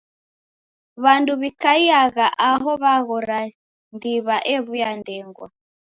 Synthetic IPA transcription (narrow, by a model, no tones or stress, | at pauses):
βanduβikaiaɣaʔaɦɔβaɣɔɾa | ndiβaʔɛβujandɛŋɡwa̰